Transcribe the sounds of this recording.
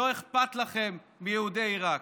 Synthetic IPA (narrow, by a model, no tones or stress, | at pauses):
o̞eχpat̪laχe̞mːijehudeiʁak